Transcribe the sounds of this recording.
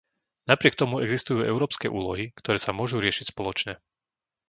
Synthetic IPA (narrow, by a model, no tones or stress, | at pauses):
napɾɪɛkt̪ɔmuɛɡzist̪ujuːʔɛʊɾɔːpskɛ̰ʔṵːlɔɦikt̪ɔɾɛːsamʊɔʒuɾɪɛʃicspɔlɔt͡ʃɲɛ